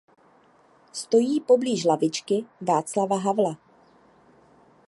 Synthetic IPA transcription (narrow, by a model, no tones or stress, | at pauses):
st̪o̞jiːpo̞bliːʒlavɪt͡ʃkɪvaːt͡slavaɦavla